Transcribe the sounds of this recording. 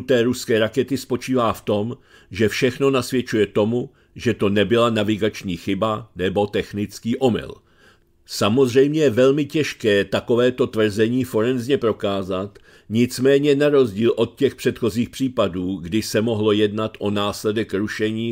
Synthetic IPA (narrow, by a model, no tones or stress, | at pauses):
ut̪ɛːɾuskɛːɾakɛt̪ɪspo̞t͡ʃiːvaːft̪o̞m | ʒɛfʃɛxno̞nasvjɛt͡ʃujɛt̪o̞mu | ʒɛt̪o̞nɛbɪlanavɪɡat͡ʃɲiːxɪbanɛbo̞t̪ɛxnɪt͡skiːʔo̞mɪ̰l | samo̞zr̝ɛjmɲɛjɛvɛlmɪcɛʃkɛːt̪ako̞vɛːt̪o̞t̪vr̩zɛɲiːfo̞ɾɛnzɲɛpɾokaːzat̪ | ɲɪt͡smɛːɲɛnaɾo̞zɟiːlʔo̞t̪̚cɛxpr̥ɛt̪xo̞ziːxpr̥iːpaduːɡdɪsɛmo̞ɦlo̞jɛdnat̪ʔo̞naːslɛdɛkɾuʃɛɲiː